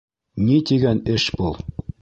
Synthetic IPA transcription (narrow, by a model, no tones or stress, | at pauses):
nʲit̪iɡænʲɘ̆ʃpɤ̆lˠ